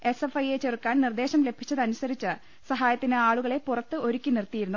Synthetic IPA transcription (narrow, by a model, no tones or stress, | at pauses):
e̞sefɐjet͡ɕerkːaːnnird̪e̞ːɕɐmle̞bʱi̥t͡ɕːɐðɐnusɐɾit͡ɕːɨ | sɐɦaːjɐt̪ːinɨaːɭuɣɐɭe̞purɐt̪ːɨo̞ɾukʲːinirt̪ːijiɾunːu